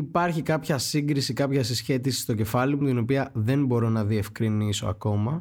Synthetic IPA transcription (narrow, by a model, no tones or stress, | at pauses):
ipɐɾçikɐpçɐsiŋɡɾisikɐpçɐsisçe̞t̪isi̥st̪o̞ce̞fɐlimut̪ino̞piɐðe̞nbo̞ɾo̞nɐðie̞fkɾiniso̞̰ɐ̰ko̞mɐ